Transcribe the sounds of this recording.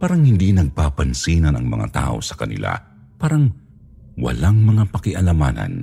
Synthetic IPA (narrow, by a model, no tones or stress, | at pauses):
paːɾɐŋhɪnd̪inɐɡ̚paːpɐnsiːnɐnɐŋmɐ̰ŋa̰t̪a̰ːʔo̞̰sɐ̥kɐnɪ̰la̰ | paːɾɐŋ | wɐ̰laŋmɐŋapɐkɪʔɐlɐmaːnɐ̰n